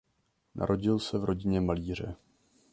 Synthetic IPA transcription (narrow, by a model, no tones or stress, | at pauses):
nʔa̰ɾʔo̞ɟɪlsɛvɾo̞ɟɪɲɛmaliːr̝ɛ